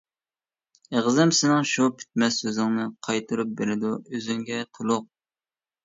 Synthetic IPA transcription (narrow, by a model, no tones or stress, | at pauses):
eʁzɪmsɪnɪŋʃupʰy̥t̪̚mɛsːøzɪŋnɨqʰɑjt̪ʰɨɾup̚beɾɪd̪uøzyŋɡʲɛt̪ʰulˠʊq̚